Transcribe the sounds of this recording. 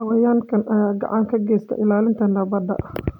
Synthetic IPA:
ɐwɐjaːŋkʰɐnʔɐjaːɡɑ̰ʕɑŋkʰɐɡɛːst̪ʰɐ̰ʔɪlaːlɪnt̪ʰɐndɐbɐd̪ɐ̰ʔ

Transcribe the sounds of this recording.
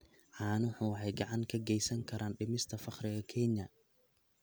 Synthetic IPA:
ʕɑːnʊħuːħɛjɡɑʕɑŋkʰɐɡɛjsɐŋkʰɐɾaːnɖɪmɪst̪ʰɐfɑχɾɪɣɐkʰɛnɐ

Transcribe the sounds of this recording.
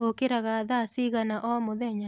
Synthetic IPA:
okeɾaɣaðasiɣanaʔɔmoðɛɲa

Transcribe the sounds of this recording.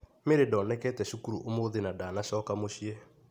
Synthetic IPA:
meɾedɔːnɛkɛtɛʃukuɾuʔomoðenadaːnaʃɔːkamoʃiɛ

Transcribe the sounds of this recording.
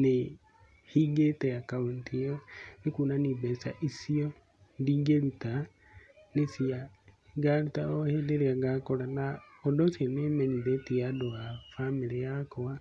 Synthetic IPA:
ne | hiɡeteakauntʰionekuːnaniːbesa̰ʔisio | ndiːɡeluta | nesia | ɡalutaohedeɾeaɡakolana | odosionemeɲiðetiadoafamiliakoa

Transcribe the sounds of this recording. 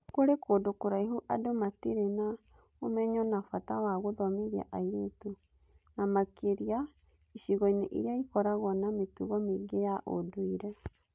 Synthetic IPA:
koɾekoːdokoɾaiɦuʔadomatiɾena | omɛɲɔnafatawaɣoðɔmeðja̰ʔaiɾetu | namakeɾia | iɕiɣɔineʔḭɾeaikɔɾaɣɔnametuɣɔmeɡejaʔo̰doiɾɛ

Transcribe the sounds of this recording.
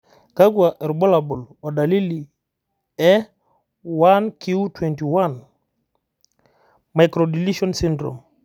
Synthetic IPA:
kaɡuaʔɛɾbolabulodalili | ɛ | wankiutwɛntiwan | majkɾodiliʃɔnsindɾo̰m

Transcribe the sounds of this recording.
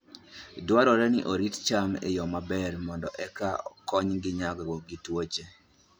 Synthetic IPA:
dwaɾɔɾɛnɪʔoɾitt͡ʃamḛjɔmabɛrmɔndɔʔɛkaɔkɔɲɡɪɲaɡɔwɔɡitwot͡ʃe

